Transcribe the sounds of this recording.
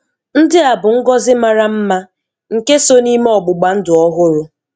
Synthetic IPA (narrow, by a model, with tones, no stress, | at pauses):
n̩˦dɪ˦a˨bʊ˨ŋ̩˦ɡɔ˦zɪ˦ma˦ɾa˦m̩˦ma˦ | ŋ̩˨ke˦so˦ni˦me˦ɔ˨ɡ͡bʊ˨ɡ͡ba˨n̩˦dʊ˨ɔ˦ɦʊ˦ɾʊ˦